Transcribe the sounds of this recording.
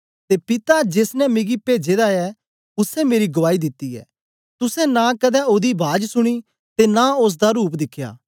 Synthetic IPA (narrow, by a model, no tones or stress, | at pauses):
t̪eːpɪt̪ad͡ʒeːsnɛmɪɡipeːd͡ʒeːd̪aɛ | ʊsɛmeːɾiɡʊʋaːid̪ɪt̪ːiɛ̰ː | t̪ʊsɛ̃nãkɐd̪ɛoːd̪ibʱaːd͡ʒsʊɽ̃i | t̪enãʊs̬d̪aɾuːp̬d̪ɪkʰːja̰ː